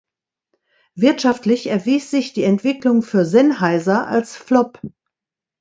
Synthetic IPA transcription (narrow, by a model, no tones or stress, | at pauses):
vɪɐtʃaftlɪçɛɐviːsz̥ɪçd̥iːɛntv̥ɪklʊŋfyːɐzɛnhaɪzɐʔa̰lsflɔp